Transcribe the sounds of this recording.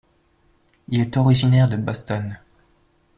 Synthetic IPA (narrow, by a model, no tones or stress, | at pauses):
ilɛt̪ɔʁiʒinɛʁd̪əbɔst̪ɔn